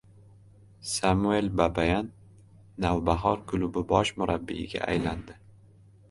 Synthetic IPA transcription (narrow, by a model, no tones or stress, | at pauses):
samue̞lbabajanː | awbaɦɒɾkʰʊlʊbɪbɒʃmʊɾabːḭɪɡʲa̰ʔa̰jland̪ɪ